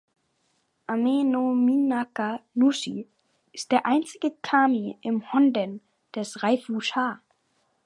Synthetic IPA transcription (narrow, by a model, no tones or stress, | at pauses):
ʔamenominakanuʃḭ | ʔɪstd̥eːɐʔaɪnt͡sɪɡəkʰaːmiʔɪmhɔndən | d̥ɛsʁaɪfuʃaː